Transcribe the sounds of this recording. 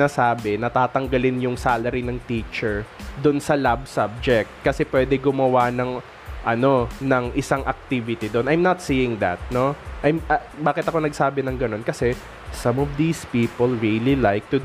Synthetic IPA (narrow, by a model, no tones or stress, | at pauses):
aːsaːbɛnɐt̪aːt̪ɐŋɡɐlɪnjʊŋsaːlɐɾinɐŋt̪iːt͡ʃɛɹd̪ʊnsɐlab̚sab̚d͡ʒɛk̚t̪̚kɐsɛpwɛːd̪ɛɡʊmɐwanɐŋ | ʔɐno̞nɐŋʔɪsaŋʔɐk̚t̪iːvɪt̪id̪onʔajmnɐt̪̚siːjɪŋd̪ɐ̰t̪̚no̞ʔɐjmɐbaːkɪt̪ɐko̞nɐɡ̚saːbɛnɐŋɡɐno̞nkɐsɛ | sɐmɔvd̪iːspiːpolɹililajk̚t̪ʊ